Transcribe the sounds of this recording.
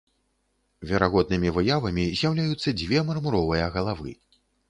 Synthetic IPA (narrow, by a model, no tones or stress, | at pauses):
vʲɛɾaɣɔd̪̚nɨmʲivɨjavɐmʲizʲjawlʲajut̪sːɐd͡zʲvʲɛmɐrmuɾɔvɨjɐɣɐlˠavɨ̰